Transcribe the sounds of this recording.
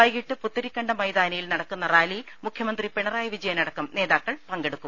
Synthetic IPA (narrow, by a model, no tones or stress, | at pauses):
ɐjɣiʈːɨput̪ːɐɾikʲːɐɳɖɐmɐjd̪aːnɐjilnɐɽɐkːunːɐraːlijilmukʰjɐmɐnd̪ripeɳɐraːjɐʋid͡ʑɐjɐnɐɽɐkːɐmne̞ːðaːkːɐɭpɐŋɡe̞ɽukːum